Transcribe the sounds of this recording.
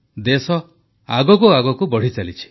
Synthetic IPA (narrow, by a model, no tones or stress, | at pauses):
d̪esɔ | a̰ɡɔkuaɡɔkubɔɽ̤it͡ʃalit͡ʃʰi̥